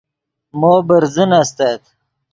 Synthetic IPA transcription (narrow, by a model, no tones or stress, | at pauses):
moːbəɾzinast̪at̪